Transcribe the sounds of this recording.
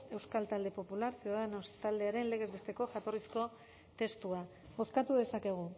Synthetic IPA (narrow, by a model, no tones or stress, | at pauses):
e̞wskalt̪ald̪e̞po̞pulaɾsioðanost̪ald̪e̞aɾe̞nle̞ɣ̞e̞zβest̪e̞ko̞ʝat̪o̞risko̞ | t̪e̞st̪ua | o̞skat̪uðe̞sake̞ɣ̞u